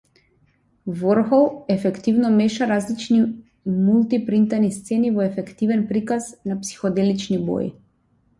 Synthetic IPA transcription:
vɔɾxɔlˠɛfɛkt̪ivnɔmɛʃaɾazlit͡ʃni | mulˠt̪ipɾint̪anist̪sɛnivɔɛfɛkt̪ivɛnpɾikaznapsi̥xɔd̪ɛlit͡ʃnibɔ̰jḭ

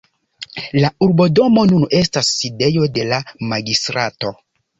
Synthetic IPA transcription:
lauɾbo̞do̞mo̞nune̞stasːide̞jo̞de̞lamaɡistɾato̞

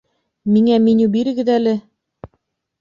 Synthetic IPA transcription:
miŋæminubiɾɘ̆ɡɘ̆ðælɘ

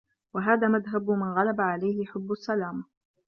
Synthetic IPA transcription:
waɦaːðaːmaðɦabmɪnɣalabaʕalajhɪħʊbːasːalaːma

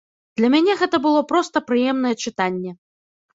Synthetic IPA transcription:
d̪̥lʲɐmʲanʲɛɣɛt̪ɐbɨlˠɔpɾɔst̪ɐpɾɨjɛmnɐjɛt͡ʂɨt̪anʲːɛ

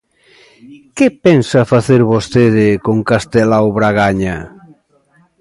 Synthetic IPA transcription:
kepensafaθeɾβost̪eðɪkoŋkast̪elaoβɾaɣaɲa

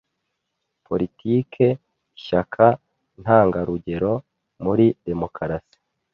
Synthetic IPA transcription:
pʰo̞ɾitiːkʰe̞ | iʃakʰa | n̥haːŋɡaɾuɟe̞ɾo̞ | muɾide̞mo̞kʰaɾasi̥

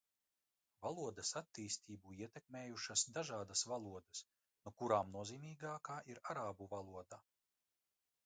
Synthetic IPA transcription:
valˠuɔd̪ɐsat̪ːiːst̪iːbuiɛt̪ʲɛkmeːjuʃasd̪aʒaːd̪asvalˠuɔd̪ɐs | nukuɾaːmnuɔziːmiːɡaːkaːʔiɾaɾaːbuvalˠuɔd̪a

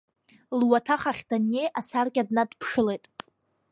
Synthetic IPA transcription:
lwatʰaχaχʲdane̞jʔasarɡʲʼadnadpʰʂɨlejtʼ

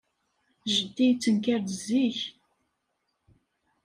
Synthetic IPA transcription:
ʒət̪ːijt͡sːənkæɾd̪əzːiç

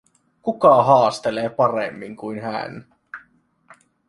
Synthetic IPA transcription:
kukɑɦɑːst̪eleːpɑrḛmːiŋkuinɦæ̰n

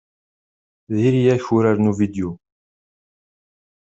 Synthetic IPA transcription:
ðiɾijæçuɾaɾnuvid̪ju

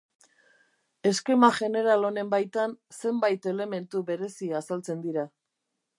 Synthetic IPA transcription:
e̞ske̞maʝe̞ne̞ɾalo̞ne̞mbajt̪anse̞mbajt̪e̞le̞me̞nt̪uβe̞ɾe̞siasalt͡se̞nd̪iɾa

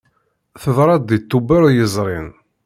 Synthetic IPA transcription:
θəðɾˤɑd̪it̪ːubəɾjəzˤɾˤɪn

